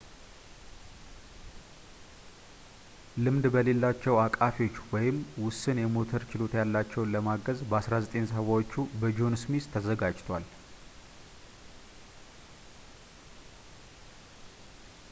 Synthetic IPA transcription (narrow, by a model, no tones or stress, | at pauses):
lɨmd̪bəle̞lːat͡ʃːɛwakʼafio̞t͡ʃːwɔjɪmwʊsːɨnjɛmo̞t̪ʰəɾt͡ʃɪlo̞t̪jalːat͡ʃːɛwnləmaɡəzbəasɾazət̪ʼensəβawot͡ʃːubəd͡ʒo̞nsmist̪ʰəzəɡad͡ʒt̪ʰwal